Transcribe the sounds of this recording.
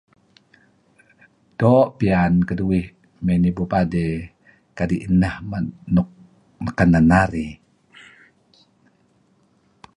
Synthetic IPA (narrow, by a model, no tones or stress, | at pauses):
d̥oʔpiankəduwih | menibupade | kadiʔinahanu | makananːaɾi